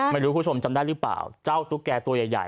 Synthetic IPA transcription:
ma˧˩ɾuː˦˥kʰu˥˩o˧mt͡ɕa˧mdaː˥˩lɯ˦˥pla̰ː˨˩wt͡ɕa˥˩wt̪ʰu˦˥kːɛː˧t̪u˧əja˨˩jːa̰˨˩

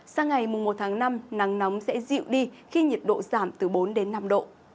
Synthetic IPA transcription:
saː˧ŋa˨˩jmʊ˨˩ŋ͡mmo˨˩t̚t̪ʰaː˨˦ŋna˧mna˨˦ŋna˨˦wŋ͡msɛ̰˧˥zḭ˧˨wɗi˧xi˧ɲi˨˩t̚ɗo̰˧˨zaː˧˩mt̪ɨ˧˩ɓo˨˦nɗe˨˦nːa˧mɗo̰˧˨

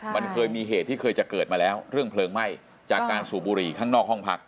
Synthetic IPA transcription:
ma˧nkʰɤː˧jmiː˧ɦeː˨˩t̪ʰːiː˥˩kʰɤː˧jt͡ɕa˨˩kɤː˨˩t̪̚maː˧lɛː˦˥wɾɯ˥˩əŋpʰlɤː˧ŋma˥˩j | t͡ɕaː˨˩kːaː˧nsuː˨˩buː˧ɾiː˨˩kʰaː˥˩ŋnɔː˥˩k̚hɔ˥˩ŋpʰa˦˥k̚

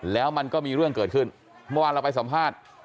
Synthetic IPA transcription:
lɛː˦˥wma˧nkɔː˥˩miː˧ɾɯ˥˩əŋkɤː˨˩t̪̚kʰɯ˥˩n | mɤ˥˧waː˧la˧wpa˧jsa˩˦mpʰaː˥˩t̪̚

